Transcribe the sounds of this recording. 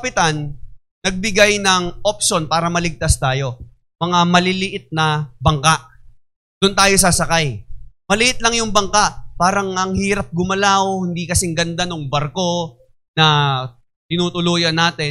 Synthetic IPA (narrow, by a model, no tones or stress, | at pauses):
ɐpɪt̪anː | ɐɡ̚bɪɡajnɐŋʔop̚ʃonpaːɾɐmɐlɪɡ̚t̪ast̪aːjo̞ | mɐŋamɐlɪlɪʔɪt̪̚nɐbɐŋkaʔ | d̪̥ʊnt̪aːjo̞s̬asɐkajmɐlɪʔɪt̪̚lɐŋjʊŋbɐŋkaʔpaːɾɐŋɐŋhiːɾɐp̚ɡʊmɐlawhɪnd̪iːkɐsɛŋɡɐnd̪anʊŋbɐɾko̞ | nɐ | t̪ɪnuːt̪ʊluːjɐnːaːt̪ɛ